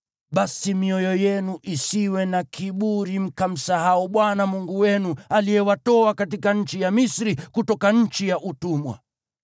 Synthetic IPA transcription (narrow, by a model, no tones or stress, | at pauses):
ɓasimiɔjɔjɛnuʔisiwɛnakʰiɓuɾim̩kam̩sahauɓwanamuŋɡuwɛnualijɛwatɔakatikaɲ̩t͡ʃijamisɾikutɔkaɲ̩t͡ʃijaʔutumwa̰